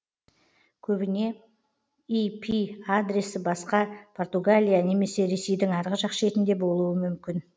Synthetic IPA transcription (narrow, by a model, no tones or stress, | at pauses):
kʲʰɵbɪne̞ | ijpʰiad̪ɾʲe̞sɪbɑsqɑpʰo̞rt̪uɡalʲijane̞me̞se̞ɾe̞se̞jd̪ɪŋɑɾʁəʒɑqʃe̞t̪ɪnd̪e̞bo̞lˠuwəmʏmkʲɪn